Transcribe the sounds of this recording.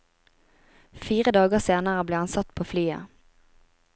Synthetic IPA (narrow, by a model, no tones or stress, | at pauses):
fiːʁəd̪ɑːɡəseːnəʁəbleːhɑnsɑt̪pʰoːflyːə̰